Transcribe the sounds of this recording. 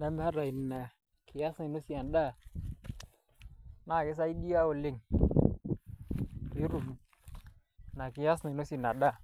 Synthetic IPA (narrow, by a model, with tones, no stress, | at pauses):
na˦m˦ha˦ɾa˨i˨na˨ | kʰi˨ja˦sni˨no˦si˦a˨nɗa˦˨ | na˨ki˦s̬a˦i˦di˦a˦wo˨li˦˨ŋ | ji˦ɾu˨m˨ | na˨ki˨ja˦sni˨no˦si˨na˨ɗa˦˨